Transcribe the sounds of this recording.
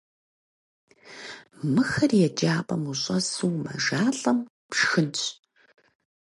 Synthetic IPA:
mɨxɐrjɛd͡ʒaːpʼɐmuɕʼɐsɨwmɐ̰ʒaːɬʼɐm | pʂxɨnt͡ʃʼ

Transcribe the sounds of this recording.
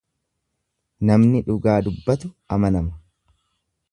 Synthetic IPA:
nɐmnɪᶑʊɡaːd̪ʊbːɐt̪ʊ | ɐmɐnɐmɐ

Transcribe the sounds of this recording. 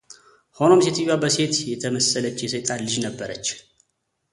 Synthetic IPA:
ho̞nomset̪ʰɨjabəse̞t̪jɛt̪ʰəməsələt͡ʃːjɛsəjt̪ʼalɨd͡ʒnəbːəɾət͡ʃː

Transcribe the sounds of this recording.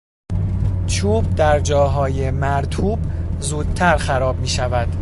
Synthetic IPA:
t͡ʃʰuːb̚d̪æɾd͡ʒɒːɦɒːje̞mæɾt̪ʰuːbzuːd̪̚t̪ʰæɾxæɾɒːb̚miːʃævæd̪̥

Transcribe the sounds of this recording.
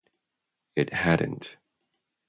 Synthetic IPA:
ɪt̚hæd̃ⁿn̩t

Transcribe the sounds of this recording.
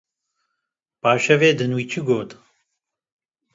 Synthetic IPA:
paːʃɐveːd̪ɨnwit͡ʃʰiɡoːt̪

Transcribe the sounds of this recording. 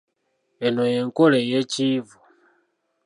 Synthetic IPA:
enojeŋkolejecivu

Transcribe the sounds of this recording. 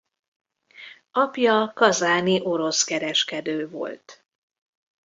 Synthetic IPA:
ɒpjɒkɒzaːniʔo̞ɾo̞skɛɾɛʃkɛd̪øːvo̞̰lt̪

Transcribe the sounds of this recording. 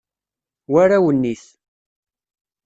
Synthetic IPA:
waɾawənːiθ

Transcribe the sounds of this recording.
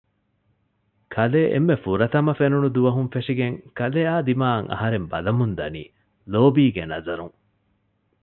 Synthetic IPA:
kʰɐleːʔḛmːefuɾɐt̪ɐmɐfenunud̪uʋɐɦunfeʂiɡeŋkɐleːaːd̪imaːɐŋʔɐ̰ɦɐɾembɐ̰lɐmund̪ɐnḭː | loːbiːɡenɐzɐɾuŋ

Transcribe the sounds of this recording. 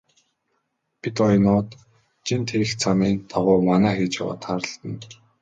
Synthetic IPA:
pit̪ɔj̆nʊːt̪ | t͡ɕʰint̪ʰeɾɘ̆xt͡sʰamiːnt̪ʰaʁʊːmanæːxeːt͡ɕa̰wa̰ːt̪χaːɾə̆ɬt̪ə̆n

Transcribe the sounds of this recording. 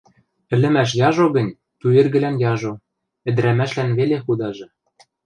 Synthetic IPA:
ɘ̆lɘ̆mæʃ̬jɑʒoɣɤ̆nʲ | t̪uerɣɘ̆lænjɑʒo | ɘ̆d̪ɘ̆ɾæmæʃlænβelexud̪ɑʒɤ̆

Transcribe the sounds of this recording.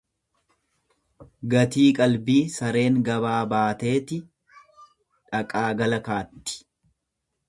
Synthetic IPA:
ɡɐt̪iːkʼɐlbiːsɐɾe̞ːŋɡɐβaːbaːt̪e̞ːt̪ɪ | ᶑɐkʼaːɡɐlɐkaːt̪ːɪ̥

